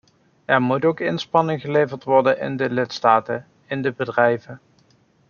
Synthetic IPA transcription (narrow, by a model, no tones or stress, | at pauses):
ɛɹmutowkɪnspɑnɪŋχəlejvəɹtʋɔɹdənʔɪ̰ndəlɪtstaːtə | ɪndəbədrɛjvən